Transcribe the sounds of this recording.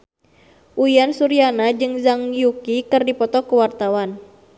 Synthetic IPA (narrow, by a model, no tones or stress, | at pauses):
ʔuiansuɾianad͡ʒɨŋzaŋjukikɨrdipɔt̪ɔkuwart̪awan